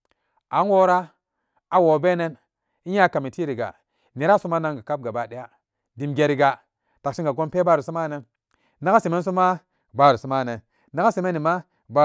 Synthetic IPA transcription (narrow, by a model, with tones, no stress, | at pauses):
a˨˦n˦wo˦ɾa˦ | a˨wo˨be˦ne˦n | i˦ɲa˦ka˨mi˨ti˦ɾi˨ɡa̰˨ | ne˨ɾa˦su˦ma˦na˦ŋɡa˨ka˦p̚ɡa˨ba˨di˦ja˦ | di˨mɡe˨ɾi˨ɡa˨ | ta˨kʃi˦ŋɡa˨ɡo˦npe˦ba˦ɾu˨su˦ma˦ne˦n | na˦ɡa˦si˨me˦ns̬u˦ma˦ | ba˦ɾu˨su˦ma˦ne˨n | na˦ɡa˦si˨me˦nːi˨ma˦ | ba˦